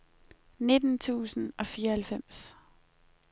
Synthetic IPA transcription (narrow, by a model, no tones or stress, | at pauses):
ne̝d̥n̩t͡sʰṵːsn̩ɒ̽fiːɐhælfem̰s